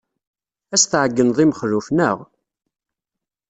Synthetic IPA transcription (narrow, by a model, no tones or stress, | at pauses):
æsθʕəɡːənðˤimχɾufnəʁ